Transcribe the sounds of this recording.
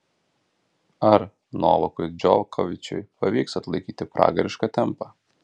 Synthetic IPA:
ɐɾ | no̰ːʋˠɔkʊɪd͡ʒʲɔkʰɔʋʲɪt͡ʃʲɛ̰ɪpɐʋʲiːksɐt̪lˠɐɪkʲiːt̪ʲɪpɾɑ̰ːɡɐɾʲɪʃkɐt̪ʲɛmpɑ

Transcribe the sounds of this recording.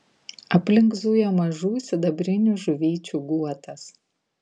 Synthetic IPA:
ɐpʲlʲɪŋɡzujɛmɐʒuːsʲɪd̪ɐbʲɾʲɪnʲuʒʊʋʲiːt͡ʃʲuɡuɔt̪ɐs

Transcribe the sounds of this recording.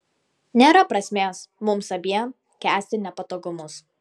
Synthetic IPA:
nʲeːɾɐpɾɐsʲmʲeːsmʊmsɐbʲiɛ | kʲæːsʲt̪ʲɪnʲɛpɐt̪oːɡʊmʊs

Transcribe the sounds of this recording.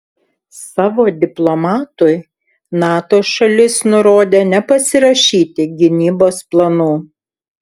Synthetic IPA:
sɑːʋoːd̪ʲɪplˠomɑːt̪ʊɪ | nɑːt̪oːʃɐlʲɪsnʊɾoːd̪ʲeːnʲɛpɐsʲɪɾɐʃʲiːt̪ʲɪɡʲɪnʲiːboːsplˠɐnuː

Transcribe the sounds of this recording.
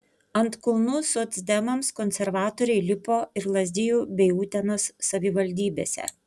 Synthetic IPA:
ɐnt̪kɔlˠnʊsʊt̪ʲsʲd̪ʲɛmɐmskɔnʲsʲɛɾʋɑːt̪oːɾʲɛɪlʲɪpoːɪɾlˠɐzʲd̪ʲɪjuːbʲɛɪuːt̪ʲɛnoːsːɐʋʲɪʋɐlʲd̪ʲiːbʲḛːsʲɛ̰

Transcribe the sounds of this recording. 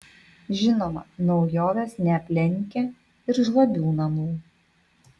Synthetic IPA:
ʒʲɪnoːmɐ̰nɒʊjoːʋʲɛsnʲɛɐpʲlʲɛŋʲkʲɛ | ɪɾʒlˠɐbʲuːnɐnuː

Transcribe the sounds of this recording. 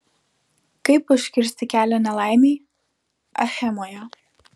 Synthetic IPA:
kɐɪpʊʃʲkʲɪɾʲsʲt̪ʲɪkʲæːlʲoːnʲɛlˠɑˑɪmʲeː | ɐ̰xʲɛmoːjo

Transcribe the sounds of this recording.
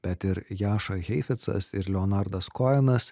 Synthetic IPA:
b̥ʲɛt̪ɪɾjɑːʃɐɣʲɛɪfʲɛt̪sɐ̰sɪɾlʲɛɔnɑɾd̪ɐskɔjɛnɐs

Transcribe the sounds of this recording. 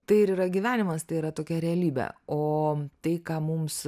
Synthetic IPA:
t̪ɐɪɪɾiːɾɐɡʲiːʋʲæːnʲɪmɐst̪ɐɪiɾɐt̪oːkʲɛɾʲɛɐlʲiːbʲɛ̰oːt̪ɐɪkɑːmʊms

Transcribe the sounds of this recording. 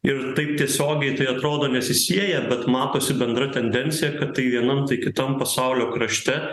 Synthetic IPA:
ɪɾt̪ɐɪp̚t̪ʲiɛsʲoːɡʲɛɪt̪ɐɪɐt̪ɾoːd̪oːnʲɛsʲɪsʲiɛjɛbʲɛt̪mɑːt̪oːsʲɪbʲɛnd̪ɾɐt̪ʲɛnʲd̪ʲɛnʲtsʲɪjɛkɐt̪tːɐɪʋʲiɛnɐmt̪ɐɪkʲɪt̪ɐmpɐsɐʊlʲoːkɾɐʃʲt̪ʲɛ

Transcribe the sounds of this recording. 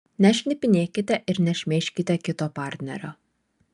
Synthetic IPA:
nʲɛʃʲnʲɪpʲɪnʲeːkʲɪt̪ʲɛʔɪɾnʲɛʃʲmʲeːʃʲkʲɪt̪ʲɛkʲɪt̪oːpɑˑɾʲt̪ʲnʲɛ̰ɾʲo̰ː

